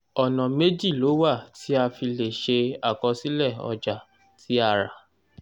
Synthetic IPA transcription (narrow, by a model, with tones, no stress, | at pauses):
ɔ˨nã˨me˦d͡ʒi˦˨lo˨˦wa˦˨ti˦a˧fi˧le˨ʃe˧a˨kɔ˧si˦lɛ˦˨ɔ̰˧d͡ʒa˨ | ti˨˦a˧˨ɾa˨